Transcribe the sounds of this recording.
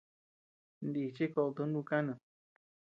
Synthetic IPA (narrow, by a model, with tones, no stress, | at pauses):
nd̪i˧˨t͡ʃi˦ko˧ʔt̪u˧˦nũ˧kã˦nã˧˨